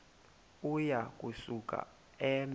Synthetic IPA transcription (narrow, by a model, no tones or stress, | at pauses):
ujak̬ʼusukʼa̰ | ɛm